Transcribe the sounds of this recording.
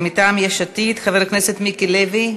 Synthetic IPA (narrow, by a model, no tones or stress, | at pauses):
mit̪aːmjaʃat̪it̪χaveʁkneset̪mikilevi